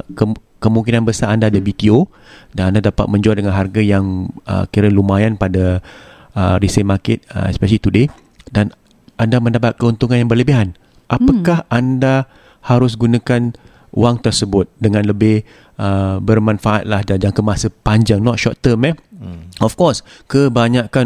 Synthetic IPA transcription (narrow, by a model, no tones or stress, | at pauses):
kə | kəmũŋkinãnbəsaʔandadəbit̪io | danandadapa̰t̪̚mə̃ɲd͡ʒualdəŋanɦarɡajaŋə̰kiɾəlumajanpada | əɾisəmakɪt̪̚ə̰ɛ̰spɛʃəlit̪ude | dan | andamə̃ndapat̪̚kəunt̪uŋãnjaŋbərləbiɦan | ʔapakahʔanda | haɾʊs̬ɡunakan | ṵaŋt̪ərsəbʊt̪̚dəŋãnləbɪh | ʔəbərmãnfaʔat̪̚lahd͡ʒad͡ʒaŋkəmasəpaɲd͡ʒaŋnɔt̪̚ʃɔt̪ːəmɛɔfkɔskəbaɲakan